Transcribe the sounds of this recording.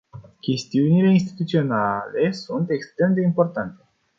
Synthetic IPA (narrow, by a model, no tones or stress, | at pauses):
kʲe̞st̪iunile̞inst̪i̥t̪ut̪sio̞nale̞sunt̪ekst̪ɾe̞md̪e̞impo̞rt̪ant̪e